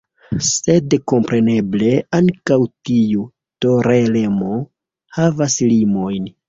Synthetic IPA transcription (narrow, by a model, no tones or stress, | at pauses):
se̞dko̞mpɾe̞ne̞ble̞aŋkawtiu | to̞ɾelemo | havaslimo̞jn